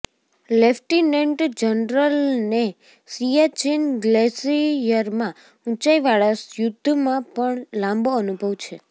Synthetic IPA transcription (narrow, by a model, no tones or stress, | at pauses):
lefʈineɳʈd͡ʒənɾəlne | sijat͡ʃinɡlesijəɾmã | ũt͡ʃaiʋaɭasjʊd̪ʱːmãpəɳlãmboənubʱəʋt͡ʃʰe